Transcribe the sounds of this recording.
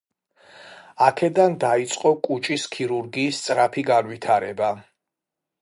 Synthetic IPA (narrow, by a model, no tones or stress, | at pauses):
akʰɛd̪and̪ait̪sʼqʼɔkʼut͡ʃʼiskʰiɾuɾɡiːst̪sʼɾapʰiɡanwit̪ʰaɾɛba